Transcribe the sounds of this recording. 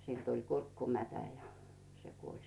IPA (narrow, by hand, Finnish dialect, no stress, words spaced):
silʲ tul kurkːumætæ jɑ se kuolʲ